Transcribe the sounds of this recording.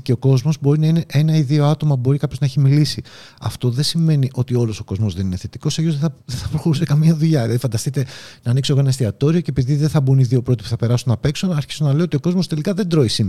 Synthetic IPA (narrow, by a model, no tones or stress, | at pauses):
ceo̞ko̞zmo̞zbo̞ɾinɐineʔeenɐiðio̞ɐt̪o̞mɐbo̞ɾikɐpçoznɐeçimilisi | ɐ̰ft̪o̞ðe̞sime̞niʔo̞t̪io̞lo̞so̞ko̞zmo̞zðe̞nineθet̪iko̞seʝozðeɐðeθɐpɾoxo̞ɾuse̞kɐmiɐðuʎɐelɐðifɐnd̪ɐst̪it̪e̞nɐːniksoɣoenɐst̪iɐt̪o̞ɾio̞cepiðiðeθɐbuniðio̞pɾo̞t̪i̥pu̥θɐpe̞ɾɐsunːɐpe̞ksunɐɾçi̥sonɐleoo̞t̪io̞ko̞zmo̞st̪e̞likɐðe̞nd̪ɾo̞isim